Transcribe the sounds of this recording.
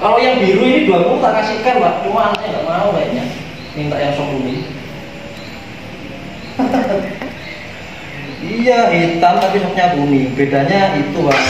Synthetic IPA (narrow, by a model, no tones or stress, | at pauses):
kalojaŋbiɾuiniduak̪uut̪aʔkasikanwatuanɲaɡaʔmanabaiʔɲa | mint̪aʔjaŋsɔk̚buni | ijait̪ant̪apisɔk̚ɲabunib̥eda̤ɲait̪ua